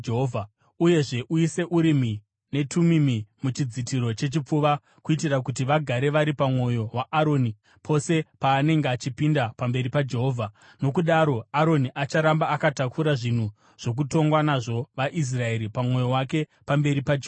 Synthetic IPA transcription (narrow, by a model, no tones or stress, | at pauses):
ɦovʱa | uje̞ʐe̞ʔuise̞ʔuɾimi | ne̞tʰumimimut͡ʃid͡zitiɾo̞t͡ʃe̞t͡ʃip͡fuʋa | kuit̬irak̬ut̬iʋaɡʱaɾe̞ʋaɾipamwo̞jo̞ɦwaaɾo̞ni | pʰo̞se̞paːne̞ŋɡeat͡ʃipindapambe̞ɾipad͡ʒe̞ɦoːvʱa | no̞kuɗaɾo̞aɾo̞niʔat͡ʃaɾambaakatakuɾaʐin̤u | ʐ̥o̞k̬uto̞ŋɡwanaʐo̞ʋaʔis̬rae̞ɾipamwo̞jo̞wake̞pambe̞ɾipad͡ʒe